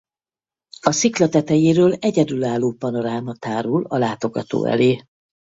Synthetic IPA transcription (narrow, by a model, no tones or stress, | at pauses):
ɒsiklɛt̪ɛt̪ɛjiɾøːlɛɟɛd̪ylaːlːoːpɒno̞ɾaːmɦɒt̪aːɾulɒlaːt̪o̞ɡɒ̰t̪o̰ːɛ̰leː